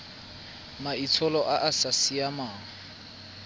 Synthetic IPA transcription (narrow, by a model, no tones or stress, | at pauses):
mait͡sʰɔlɔʔaʔasasiamaːŋ̩